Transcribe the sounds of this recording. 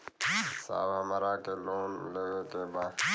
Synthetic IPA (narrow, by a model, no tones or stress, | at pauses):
sa̰ːʋãːməɾaːkeːloːnmɪ̰leʋeːteːbãː